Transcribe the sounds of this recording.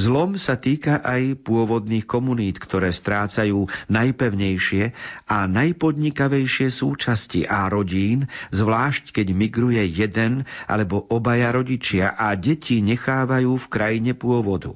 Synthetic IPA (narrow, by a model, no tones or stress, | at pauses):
zlɔmsat̪iːkaʔajpʊɔʋɔd̪niːxkɔmuniːt̪kt̪ʰɔɾɛːst̪ɾaːt͡sajuːnajpɛʊɲɛjʃɪɛanajpɔd̪ɲikaʋɛjʃɪɛsuːt͡ʃascḭʔaɾɔɟiːnzʋlaːʃckɛɟmiɡɾujɛjɛd̪ɛnʔa̰lɛbɔʔɔbajaɾɔɟit͡ʃɪaʔaɟɛcʰiɲɛxaːʋajuːfkɾajiɲɛpʊɔʋɔd̪ṵ